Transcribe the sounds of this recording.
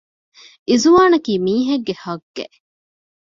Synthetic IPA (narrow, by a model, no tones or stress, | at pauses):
ʔizuʋaːnɐkiːmiːɦɐɡːehɐɡːḛʔ